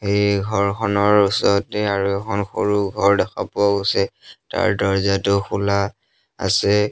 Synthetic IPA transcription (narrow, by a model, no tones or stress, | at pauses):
hejɡʱɔɹkʰɔnɔɹusɔtɛaɹuɛkʰɔnxo̰ɹuɡʱɔɹdɛxa̰pʊaɡosɛta̰ɹdɔɹzatʊxula | a̰sɛ